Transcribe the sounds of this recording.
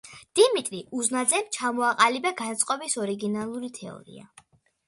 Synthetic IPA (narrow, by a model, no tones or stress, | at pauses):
d̪̥imit̪ʼɾiuznad̪zɛnt͡ʃʰamɔaqʼalibaɡant̪sʼqʼɔbisɔɾiɡinalˠuɾit̪ʰɛɔ̰ɾḭa̰